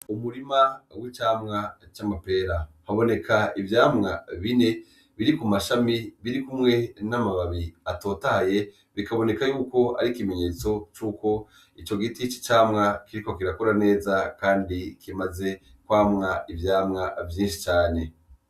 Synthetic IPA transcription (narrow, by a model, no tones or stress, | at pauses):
umuɾimawit͡ʃaːmŋat͡ʃamape̞ːɾahaβo̞ne̞kʰaivjaːmŋaβine̞ | βiɾikumaʃamiβiɾikumŋe̞namaβaβiato̞ːtahaje̞ | βikaβo̞ne̞kajuːko̞a̰ɾikime̞ɲe̞ːt͡so̞t͡ʃuːko̞ | it͡ʃo̞ɡitit͡ʃi̥t͡ʃaːmŋakiɾiko̞kiɾakoɾane̞ːzakaːndikimaze̞ | kwaːmŋaivjaːmŋavjiːnʃi̥t͡ʃaːne̞